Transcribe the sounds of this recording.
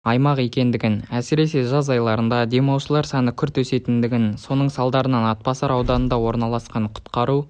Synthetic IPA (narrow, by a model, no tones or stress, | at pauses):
ɑjmɑqe̞kʲe̞nd̪ɪɡʲɪnæsɪɾe̞se̞ʒɑzɑjlˠɑɾənd̪ɑd̪e̞mɑwʃəlˠɑɾsɑnəkʲʰʏɾt̪wɵse̞t̪ɪnd̪ɪɡʲɪnso̞nəɴsɑlˠd̪ɑɾənɑnɑt̪̚pɑsɑɾɑwd̪ɑnənd̪ɑwo̞ɾnɑlˠɑsqɑɴqʰʊ̥t̪qɑɾu